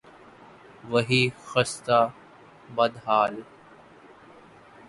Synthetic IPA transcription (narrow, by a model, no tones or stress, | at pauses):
ʋəɦiːxɐst̪aː | bɐd̪ɦaːl